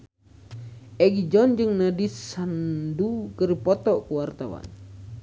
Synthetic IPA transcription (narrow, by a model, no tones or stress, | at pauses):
ɛɡid͡ʒɔnd͡ʒɨŋnadisandukəɾipɔt̪ɔkuwart̪awa̰n